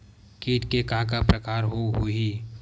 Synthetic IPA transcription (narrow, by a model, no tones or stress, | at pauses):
kiːʈ̪kekaːkapɾəkaːɾɦoɦui